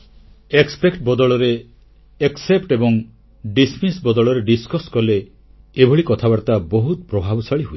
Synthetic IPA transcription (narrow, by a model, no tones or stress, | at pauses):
ekspekʈbɔd̪ɔɭɔɾe | eksepʈebɔŋ | ɖismisbɔd̪ɔɭɔɾeɖiskɔskɔleː | bʱoɭikɔt̪ʰabaɾt̪abɔɦut̪pɾɔbʱabɔsaɭiɦue